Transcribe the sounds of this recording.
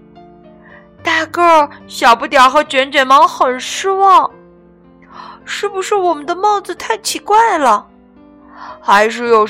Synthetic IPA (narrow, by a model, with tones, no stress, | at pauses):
t̪a˥˧kə˥˧˩ɕjɑ˨˩ʊpu˥˩t̪̬jɑ˨˩ʊxɤ˧˥t͡ɕɥɛ˧˥nt͡ɕɥɛ˨˩nmɑ˧˥ŋxə˨˩nʂɻ̩˥wɑ˥˩ŋ | ʂɻ̩˥˩bu˧ʂɻ̩˥˩wɔ˨˩mə˦nd̪ə˧mɑ˥˩ŋd͡zɹ̩˨t̪ʰa˥˩ɪt͡ɕʰi˧˥kwa˥˩ɪlə˩ | xa˧˥ɪʂ̬ɻ̩˥˩jo˨˩ʊ